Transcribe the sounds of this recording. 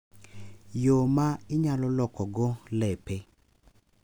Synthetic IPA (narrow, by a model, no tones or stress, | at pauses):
jomaɪɲalɔlɔkɔɡolɛpe